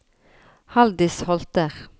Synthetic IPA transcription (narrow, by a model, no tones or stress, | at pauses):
hɑld̪ɪshɔlt̪əʁ